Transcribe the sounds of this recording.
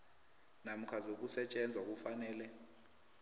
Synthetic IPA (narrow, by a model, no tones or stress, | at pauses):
nam̩kʰazok̬ʼusɛt͡ʃʼɛnd͡zʱwak̬ʼufanɛːlɛ